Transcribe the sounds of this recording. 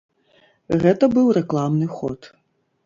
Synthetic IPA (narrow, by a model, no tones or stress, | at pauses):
ɣɛt̪ɐbɨwrɛklˠamnɨxɔ̰t̪